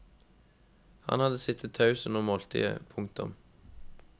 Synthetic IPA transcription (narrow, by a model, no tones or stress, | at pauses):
hɑ̰nhɑd̪əsɪt̪ʰət̪ʰɑʉsən̩ɔːmoːlt̪ʰḭːə̰pʰʊŋ̚t̪ʊm